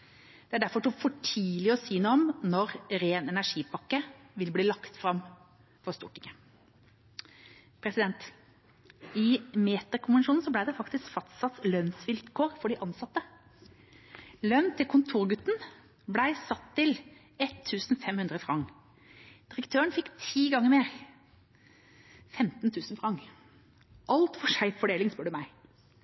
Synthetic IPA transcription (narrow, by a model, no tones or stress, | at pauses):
d̪̥ɛæɖæɾfɔʈuːfɔʈʰiːlɪɔsyːnuːɔmnɔɾɾeːnɛnæʂiːpʰɑkːəʋɪlbliːlɑkt̪fɾɑm | fɔst̪ṵːʈɪŋə | pʰɾɛsɪd̪ɛnt̪ | ɪmeːt̪əɾkʰʊnʋɛnʃuːnn̩sɔb̪æɪd̪ɛfɑkt̪ɪskfɑst̪sɑt̪slœnsʋɪlt̪kʰoːɾfɔɖɪʔɑnsɑt̪ːə | lœnt̪ʰɪlkʰʊnt̪ʰuːʁɡʉt̪ːn̩ | blæɪsɑt̪ʰːɪl | ɛt̪ʰːʉːsn̩fɛmhʉnd̪ʁəfʁɑŋ | d̪̥ɪʁəkt̪ʰøːəɳfɪkt̪ʰiːɡɑŋːəɾmeːʁ | fɛmt̪nt̪ʰʉːsn̩fʁɑŋ | ʔɑlt̪fɔʂæɪffɔɖeːlɪŋspœɖʉmæɪ